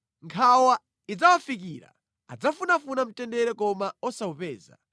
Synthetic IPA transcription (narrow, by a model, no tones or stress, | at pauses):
ŋkʰawa | id͡zawafik̬iːɾa̰ | a̰d͡zafunafunam̩tɛndɛɾɛkɔmaɔsaupɛːza̰